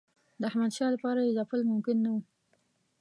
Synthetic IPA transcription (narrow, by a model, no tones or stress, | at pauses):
d̪əahmad̪ʃɑlapɑɾajezapəlmʊmkɪnːawu